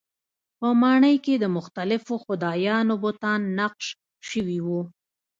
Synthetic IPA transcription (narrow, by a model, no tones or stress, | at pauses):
pəmɑɳəjked̪əmʊxt̪alɪfoxʊd̪ɑjɑnobʊt̪ɑnːaqʃ | ʃəwiwu